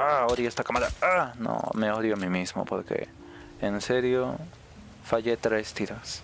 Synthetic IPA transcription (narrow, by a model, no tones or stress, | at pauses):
aoɾiest̪akamad̪aano̰meoɾjoamimismo̰poɾkḛ | enseɾjo | faʝet̪ɾest̪iɾas